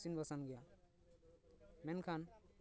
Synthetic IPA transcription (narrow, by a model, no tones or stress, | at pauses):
sinbʌsanɡɛja | menkʰan